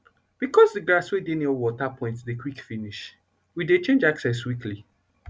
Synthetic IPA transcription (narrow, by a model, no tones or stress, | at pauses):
b̥ikɔzdɨɡɹaswedenɔwɔtapʰɔ̃ɪ̃ntsdekwikfiniʃ | widet͡ʃẽnd͡ʒaksɛs̬wikʰli